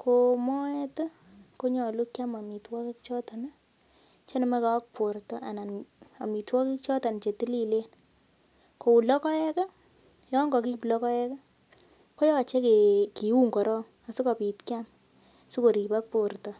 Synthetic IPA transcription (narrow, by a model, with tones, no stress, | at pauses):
ko˨mɔ˦ɛ˦tɔ˦ | ko˦ɲɔ˨lu˦kja˦ma˨mi˨twɔ˦ki˦kt͡ʃɔ˦ta˨na˦ | t͡ʃe˦nɛ˦ma˦ka˦wa˦k̚po˨ɾtɔ˦ʔa˨na˨na̰˨mi˨twɔ˦ki˦k̚t͡ʃɔ˦ta˨n˨t͡ʃe˨ti˦li˦le˦n | ko˨u˨lɔ˦kɔ˦jɛ˦ka˦ | jɔ˦ŋɡɔ˨ki˦plɔ˦kɔ˦ɛ˦ka˦ | ko˦jɔ˦a˨t͡ʃe˦ke˨ki˨u˦ŋkɔ˨ɾɔ˦ŋ | a˨su˦kɔ˨pi˨tkja˦m | su˦ko˨ɾi˨pa˦k̚po˨ɾtɔ˨